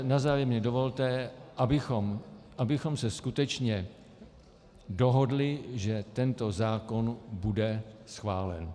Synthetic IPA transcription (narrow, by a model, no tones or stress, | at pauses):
nazaːjɛmɲɛdovo̞lt̪ɛʔabɪxomʔabɪxo̞msɛskut̪ɛt͡ʃɲɛ | doɦo̞dlɪʒɛt̪ɛnt̪o̞zaːko̞nbudɛsxvaːlɛ̰n